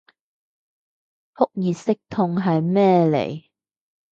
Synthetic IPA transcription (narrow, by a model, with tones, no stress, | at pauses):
hʊ˥k̚jiː˨sɪ˥k̚t̪ʰʊ˧ŋɦɐ˨jmɛː˥lḛ˨˩j